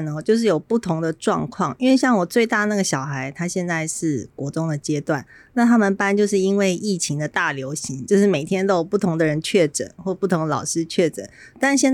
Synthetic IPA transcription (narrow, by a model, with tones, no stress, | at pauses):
nɔ˨t͡ɕjo˥˧ʊʂ̬ɻ̩˥˩jo˨˩ʊpu˥˩t̪ʰʊ˧˥ŋd̪ə˨ʈ͡ʂwɑ̰˥˧ŋkʰwɑ˥˩ŋi˥nwe˥˧ɪɕjɑ˥˩ŋwɔ˨˩t͡swe˥˧ɪt̪a˥˧na˥˩ɡə˩ɕjɑ˨˩ʊxa˧˥ɪt̪ʰa˥ɕjɛ˥˧nt͡sa˥˧ɪʂɻ̩˥˩kwɔ˧˥t̪ʊ˥ŋd̪ə˨t͡ɕjɛ˥t̪wa˥˩n | na˥˩t̪ʰa˥mə˨npa˥nt͡ɕjo˥˧ʊʂ̬ɻ̩˥˩i˥nwe˥˧ɪʔi˥˩t͡ɕʰi˧˥ŋd̪ə˨t̪a˥˩ljo˧˥ʊɕi˧˥ŋt͡ɕjo˥˧ʊʂɻ̩˥˩me˨˩ɪt̪ʰjɛ˥nt̪o˥jo˨˩pu˥˩t̪ʰʊ˧˥ŋd̪ə˨ɻə˧˦nt͡ɕʰɥɛ˥˩ʈ͡ʂə̰˨˩nxwɔ˥˧pu˥˩t̪ʰʊ˧˥ŋd̪ə˩lɑ̰˨˩ʊʂɻ̩˥t͡ɕʰɥɛ˥˩ʈ͡ʂə̰˨˩˦n | t̪a˥˧nɕjɛ˥˧n